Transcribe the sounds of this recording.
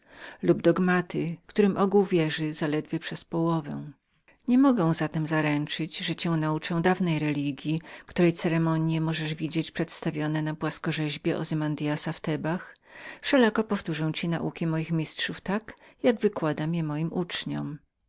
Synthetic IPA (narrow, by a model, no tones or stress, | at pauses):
lubd̪ɔɡmat̪ɪkt̪uɾɘmʔɔɡuwvʲjɛʐɘzalɛd̪vʲjɛpʂɛspɔwɔvɛw̃ | ɲɛmɔɡɛ̃w̃zat̪ɛmzaɾɛnt͡ʂɘd͡ʑʐɛt͡ɕɛ̃w̃naut͡ʂɛ̃w̃d̪avnɛjɾɛlʲiɡʲjikt̪uɾɛjt̪sɛɾɛmɔɲjɛmɔʐɛʐvʲid͡ʑet͡ɕʲpʂɛt̪st̪avʲjɔnɛnapwaskɔʐɛʑbʲjɛʔɔ̰zɛmand̪ijasaft̪ɛbax | fʂɛlakɔpɔft̪uʐɛw̃t͡ɕina̰ʔukʲimɔjixmʲistʂuft̪akjaɡvɘkwad̪amʲjɛmɔjimʔut͡ʂɲɔm